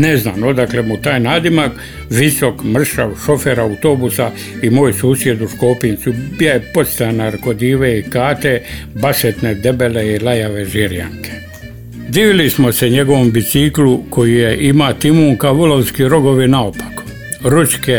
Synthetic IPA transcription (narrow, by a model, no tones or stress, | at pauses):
neznaːmod̪akle̞mut̪aːjnaːd̪imak | ʋiso̞kmr̩ʃa̰ʋʃo̞feɾaut̪o̞busa | imoːjsuːsje̞d̪uʃkopint̪subijajepo̞t̪st̪anaɾko̞d̪iːʋeikaːt̪e̞ | baset̪ne̞d̪e̞be̞leilajaʋe̞ʒiɾja̰ŋkʰe̥ | d̪iːʋilismo̞se̞ɲe̞ɡo̞ʋo̞mbisikluko̞jijeʔimat̪imuːŋkaʋulolskiɾo̞ɡo̞ʋinaopḁk | ɾuske